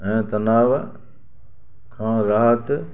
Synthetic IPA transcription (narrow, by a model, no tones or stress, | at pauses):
ɛ̃ːt̪ɐnaːʋ | kʰãːɾaːɦət̪